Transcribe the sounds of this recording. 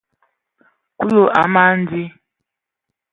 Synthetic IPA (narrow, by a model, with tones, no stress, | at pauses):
ku˦lo˨ʔa̰˨ma˦n̩˦di˦